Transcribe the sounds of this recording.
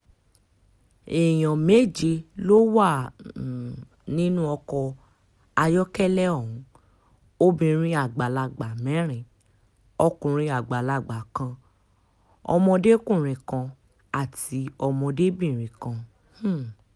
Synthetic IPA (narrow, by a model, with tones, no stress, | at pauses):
e˨j̃ɔ̃˨me˦˨d͡ʒe˧lo˦wa˦˨ | nĩ˦nũ˦ɔ˧kɔ˧ | a˧jɔ˦kɛ˦lɛ˦ɔ˦˨wũ˨˦ | o˦bĩ˧ɾ̃ĩ˧˦a˦˨ɡ͡ba˨la˧˨ɡ͡ba˨mɛ̃˨˦ɾ̃ĩ˨ | ɔ˧kũ˨ɾ̃ĩ˧a˨ɡ͡ba˨la˦˨ɡ͡ba˨kã˧ | ɔ̰˧mɔ̃˧de˦kũ˦˨ɾ̃ĩ˨kã˧ | a˦˨ti˨˧˦ɔ˧mɔ̃˧de˦bĩ˦˨ɾ̃ĩ˨kã˧˦